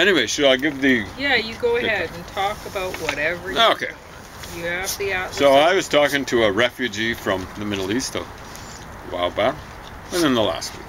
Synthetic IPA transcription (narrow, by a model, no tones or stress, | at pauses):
ɛñiweɪʃɨɾaɪɡɪvðɨjæjɨɡoʊəhɛd̃n̩tʰɔkəbaʊʔ̚wʌɾɛvə˞okʰeɪ | jɨɨvðiaʊtsoʊaɪwʌz̥tʰɔkɪ̃ŋtʰɨəɹɛfjʉd͡ʒifɹʌ̃mðɨmɪɾˡl̩ˠist | wa̰ɪlˠd̚baʊɹə | ɨ̃nɨ̃nðəlæ̰st̚wḭk